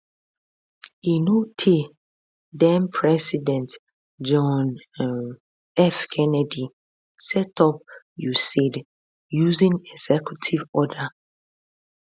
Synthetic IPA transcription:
inotʰi | dɛ̃mpʰɹɛsidɛ̃nt | d͡ʒɔ̃n | ɛfkʰɛnɛdi | sɛtɔp̚ | jusid | juzĩŋɛɡz̥ɛkjutʰivɔda

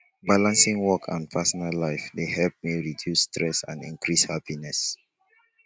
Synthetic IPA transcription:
balãnsĩŋwɔkʰã̰npʰɛsɔnalːaɪfdeɦɛlp̚miɹidjustʰɹɛsã̰nḭ̃ŋkʰɹishapinɛs

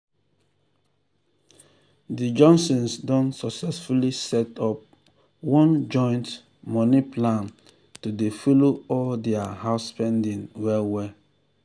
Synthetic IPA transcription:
did͡ʒɔ̃nsɔ̃nsdɔ̃nsɔksɛsfulisɛtɔp̚ | wɔ̃nd͡ʒɔ̃ɪ̃nt | mɔniplãn | tudefoloɔldɛahaʊspɛ̃ndĩnwɛlwɛ

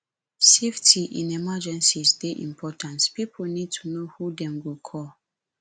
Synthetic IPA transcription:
seftʰiʔḭ̃nɛmad͡ʒɛ̃nsisdeʔḭ̃mpʰɔtʰãnspipʰolnid̚tʰunohudɛ̃mɡokʰɔl

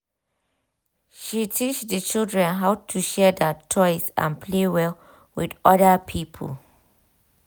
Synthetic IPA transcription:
ʃitʰit͡ʃdət͡ʃildɹɛ̃nɦaʊtʰuʃɛdɛt͡ʃʰɔɪsã̰npʰlewɛl | widɔdapʰipʰə̰l

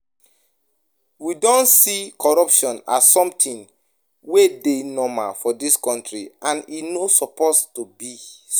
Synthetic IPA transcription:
widɔ̃nsikʰɔɹɔpʃɔ̃na̰ssɔ̃mtʰĩn | wedenɔma̰fɔdiskɔ̃ntɹiãninosɔpostubis

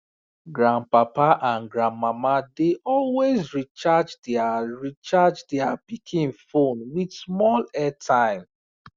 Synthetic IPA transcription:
ɡɹãnpapaʔãnɡɹãnmamadeʔɔlwezɹit͡ʃad͡ʒdɛaɹit͡ʃad͡ʒdɛabikʰĩnfõnwidsmɔlɛtʰãɪ̃m

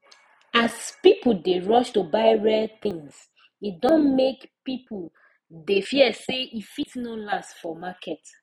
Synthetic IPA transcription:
aspipudeɹɔʃtubaɪɹɛθĩŋs | it̚dɔ̃nmekpipul | defiɛseʔifitnolastfɔmakʰɛt

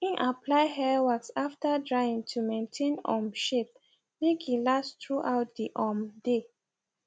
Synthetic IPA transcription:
ĩnʔapʰlaɪɦɛwaksaftadɹaɪĩŋtʰumẽntʰẽnɔ̰̃mʃep̚ | mikilastɹuʔaʊt̚diʔɔmde

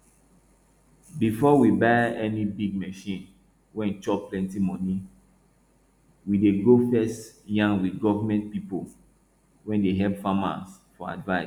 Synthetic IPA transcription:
bifɔwibaɪɛnibiɡ̚mɛʃĩn | wɛ̃nt͡ʃɔpplɛ̃ntimɔ̃ni | wideɡofɛstjãŋwidɡɔvamɛ̃nt̚pipo | wɛ̃ndeɦɛpfama̰s | fɔa̰dvaɪs

